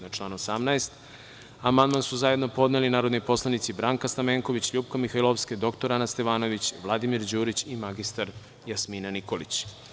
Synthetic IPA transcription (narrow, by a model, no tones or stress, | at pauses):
at͡ʃlˠaːnosamnaest̪ | amand̪mansuzaje̞d̪no̞po̞d̪nelinaːɾo̞d̪nojpo̞slˠanit̪sibɾaːŋkast̪ameːŋko̞ʋit͡ɕʎuːp̚komixajlˠoʋsked̪o̞kt̪oɾanast̪eʋaːno̞ʋit͡ɕʋlˠad̪imiɾd͡ʑuːɾit͡ɕimaɡist̪aɾ | jasminaniko̞lit͡ɕ